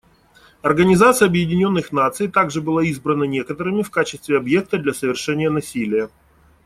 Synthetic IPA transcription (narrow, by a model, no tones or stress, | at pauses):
ɐrɡənʲɪzat̪sɨjəɐbjɪdʲɪnʲo̞nːɨxn̪at̪sɨjt̪aɡʐɨbɨlˠaizbɾənənʲe̞kət̪əɾɨmʲɪfkat͡ɕɪst̪vʲɪɐbje̞k̚t̪əd̪lʲɐsəvʲɪrʂɛnʲɪjənɐsʲilʲɪjə